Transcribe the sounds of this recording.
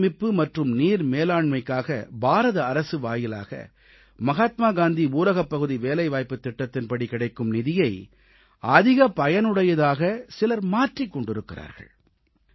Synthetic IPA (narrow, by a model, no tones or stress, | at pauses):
mɪpːɯmɐʈrɯmniːɾmeːlaːɳmɐɪkːaːɣɐ̰bʱaːɾɐðɐɐɾɐsɯʋaːjɪla̰ːɣɐ̰ | mɐɣaːt̪maːɡaːnd̪iuːɾɐɣɐpːɐɣɯðiʋeːlɐɪʋaːjpːɯt̪ːɪʈːɐt̪ːɪnpɐɽikɪɽɐɪkːɯmnɪðɪjɐɪ | ɐðɪɣɐpɐjɐnɯɽɐjɐðaːɣɐsɪlɐɾmaːʈrikːɔɳɖɪɾɯkːɪra̰ːɾɣɐ̰ɭ